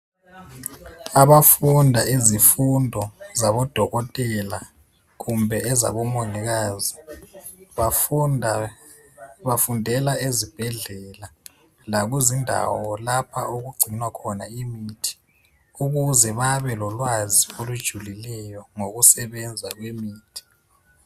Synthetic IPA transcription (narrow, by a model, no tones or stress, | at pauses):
aβafundʱaizifundʱɔzaβɔd̥ʱɔɣɔtʼɛla | kumbʱɛʔɛza̰βɔmɔniɣ̬aːzi | βafundʱɛlaezib̥ʱɛɮɛla | laɣuzindʱa̰wɔlapʰa̰ʔoɣuɡ͡ǀʱinwakʰɔnaimitʰi̥ | uɣuzɛβaβɛlɔlwaziolud̥ʒ̥ʱulilɛjɔŋoɣusɛβɛnd͡zʱaɣwemiːtʰi̥